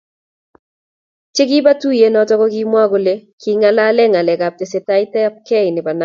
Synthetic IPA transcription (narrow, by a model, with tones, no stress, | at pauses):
t͡ʃe˦ɡɪ˦ba˦tu˦je˦nɔ˨˦tɔ˦kɔ˦ki˦mwa˦ɡo˨le˦ki˦ŋa˦la˦lɛ˦ŋa˨lɛ˨ɡa˨p̚te˨se˨ta˦ɪ˦tɛ˦p̚kɛ˦ɪ˨nɪ˨ba˨na˦